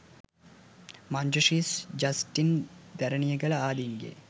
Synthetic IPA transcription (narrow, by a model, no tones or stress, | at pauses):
mand͡ʒəʂiːsd͡ʒɐsʈind̪æɾɐnijəɡɐlɐaːd̪iŋɡḛː